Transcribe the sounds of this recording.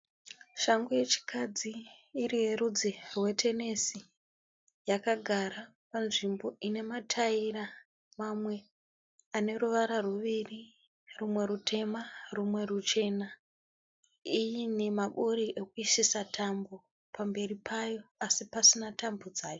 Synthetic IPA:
ʃaŋɡuje̞t͡ʃi̥kʰad͡ziːrijerud͡zirwe̞tʰe̞ne̞si | jakaɡʱaɾa | panʐimbo̞ʔine̞matʰaira | mamwe̞ | ane̞ruʋaɾaruʋiri | rumwe̞ɾutʰe̞marumwe̞rut͡ʃe̞na | ijine̞maɓoɾiʔekuisisatʰambo̞ | pambe̞ripʰajo̞asipasinatambod͡zaːjo̞

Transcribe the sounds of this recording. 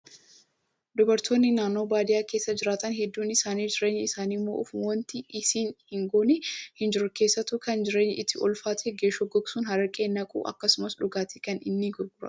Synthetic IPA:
d̪ʊbɐɾt̪ʰoːnːɪnaːnːo̞ːbaːd̪ɪjaːkeːsːɐd͡ʒɪɾaːt̪ɐnɦɛd̪ːuːnɪsaːniːd͡ʒɪɾeːɲːɪsaːnɪmːo̞̰ːʔʊfwɔnt̪ɪɪsiːnhɪŋɡoːnɪhɪnd͡ʒɪɾʊke̞ːsːɐt̪ʊkɐnd͡ʒɪɾeːɲːʔɪt̪ʰːɪʔɔlfaːt̪ʰeɡeːʃɔɡɔɡsuːnɦɐɾɐkʼeːnːɐkʼṵːʔɐ̰kːɐsʊmɐsᶑʊɡaːt̪ɪ̥kɐnɪnːɪɡʊɾɡʊɾɐ̰

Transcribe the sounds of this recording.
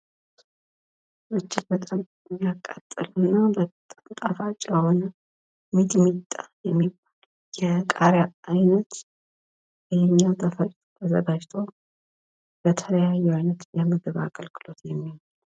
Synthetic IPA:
bɨt͡ʃːɪt̪bət̪ʼam | jiakʼːat̪ʼːəlɨnːabə | t̪ʼafat͡ʃʼjɛho̞nə | mit̪ʼmit̪ʼːajɛmːibal | jɛkʼaɾaajnət̪ | ʔɛhɛɲːawt̪ʰʼəfəɾt̪ʼbəzəɡad͡ʒt̪ʰo̞ | bət̪ʰələjajːɛajnət̪jɛmɨɡɨβa̰kʼəlkʰɨlo̞t̪jɛmːiho

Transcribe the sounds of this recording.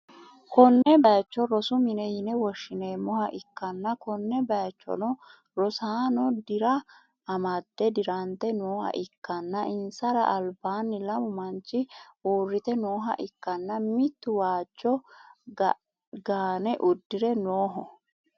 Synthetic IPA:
kɔnːɛbɐjɐt͡ʃːɔɾɔsʊmɪnɛjɪnɛwɔʃːɪneːmːɔhɐʔɪkːɐnːɐkɔnːɛbɐjɐt͡ʃːɔ̰nɔ | ɾɔsaːnɔd̪ɪɾɐ | ɐmɐd̪̥ːɛd̪ɪɾɐnt̪ɛnoːhɐ̰ʔɪkːɐnːɐʔɪnsɐɾɐ̰ʔɐlbaːnːɪlɐmʊmɐnt͡ʃːɪuːrːɪt̪ɛnoːɦɐ̰ʔɪkːɐnːɐmɪt̪ːʊwaːt͡ʃːɔ | ɡaːnɛʔʊd̪ːɪɾɛnoːɦɔ

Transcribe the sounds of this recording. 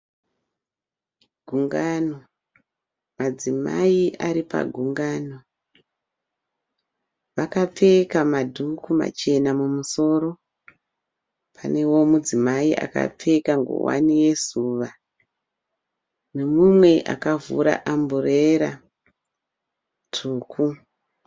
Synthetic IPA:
ɡ̥ʱuŋɡano | mad͡zima̰iʔaɾipa̰ɡʱuŋɡaːno | ʋakap͡fe̞kamadʱukuma̰t͡ʃe̞namumuso̞ːɾo̞ | pʰane̞wo̞mud͡zimaiʔa̰ka̰p͡fe̞kaŋɡo̰wa̰nije̞zuːʋa | ne̞mumwe̞ʔa̰kavṵɾa̰ʔambureɾa | tʰuːku

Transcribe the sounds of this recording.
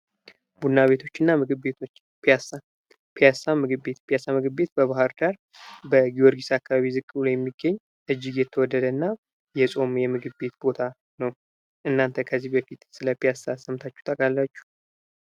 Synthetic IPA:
b̥udnːaβe̞t̪ʰo̞t͡ʃːɨnːamɨɡɨbbe̞t̪ʰo̞t͡ʃː | pasa | pʰijasamɨɡɨbbe̞t̪pʰijasamɨɡɨbbe̞t̪̚bəβahɨɾd̪aɾ | bəɡioɾɡisakːaβaβizɨkʼːulajɛmːiɡːəɲː | ʔɨd͡ʒːɪɡjɛt̪ʰːəwɔd̪ːəd̪ənːa | jɛsʼo̞mjɛmɨɡɨβbe̞t̪bo̞t̪ʰa | nəw | ʔɨnːant̪ʰəkʰəzːihbəfit̪sɨləpijasasəmt̪ʰat͡ʃːɛ̥t̪ʼəkʼalːat͡ʃːu̥

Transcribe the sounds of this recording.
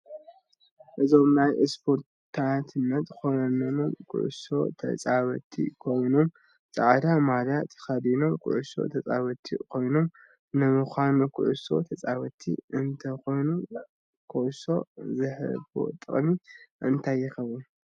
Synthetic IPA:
ʔɨzo̞mnajʔɛspʰo̞ɾ | t̪ʰat̪ʰɨnːɐt̪kʰonɐnɐnomkʰʊ̰ʕʊ̰so̞̰t̪ʰɐ̰t͡sʼaβɐt̪ʰḭkʰo̞jno̞m | t͡sʼaʕd̪amad̪jat̪ʰɐ̥xɐd̪ino̞mkʰʊ̰ʕuso̞̰t̪ʰɐt͡sʼaβɐt̪ʰḭkʰo̞jno̞m | nɨmuxʷanukʰɨʕuso̞̰t̪ʰɐt͡sʼaβɐt̪ʰːḭɨnt̪ʰɐko̞jnu | kʰɨʔso̞̰zɨħɨ̰bo̰t̪ʼɨχʼmiʔɨ̰nt̪ʰajːɪxɐβu

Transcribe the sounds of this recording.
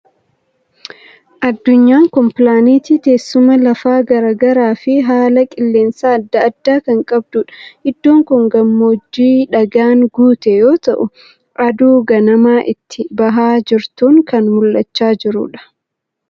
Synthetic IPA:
ʔɐd̪ːʊɲːaːŋkɔmpɪlaːniːt̪iːt̪e̞ːsːʊmɐlɐfaːɡɐɾɐɡɐɾaːfɪɦaːlɐkʼɪlːe̞ːnsaːɐd̪ːɐːd̪ːaːkɐŋkʼɐb̚d̪ʊᶑɐ̥hɪd̪ːoːŋkʊŋɡɐmːoːd͡ʒːiːᶑɐɡaːŋɡuːt̪ɛjo̞ːt̪ɐʔʊ | ʔɐd̪uːɡɐnɐmaːʔɪt̪ːɪbɐɦaːd͡ʒɪɾt̪uːŋkɐnmʊlːɐt͡ʃːaːd͡ʒɪɾʊ̰ᶑɐ̥

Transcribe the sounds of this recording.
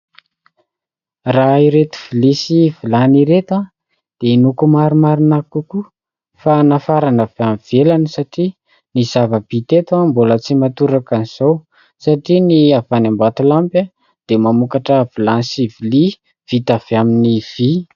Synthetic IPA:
raiɾet̪u̥v̥ilisivilaniɾet̪a | d̪̥enukumaɾumaɾinakuku | fanafaɾanavamv̥elanəsaʈ͡ʂi | niz̥avəb̥it̪et̪ambolət͡simat̪uɾakaniz̥ow | saʈ͡ʂiniavanambat̪ulampə | d̪̥emamukaʈ͡ʂəv̥ilansivili | v̥it̪av̥aminiv̥i

